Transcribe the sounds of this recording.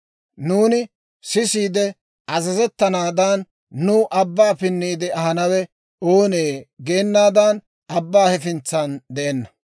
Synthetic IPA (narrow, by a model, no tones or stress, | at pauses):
nuːnɪ | sɪsiːd̪ɛ | ʔɐzɐzɛt̪ːɐnaːd̪ɐnː | ʊʔɐbːaːpɪnːiːd̪ɛɐhɐnɐwɛ | oːneːɡe̞ːnːaːd̪ɐn | ɐbːaːhɛfɪnt͡sɐnd̪ɛʔɛnːɐ̥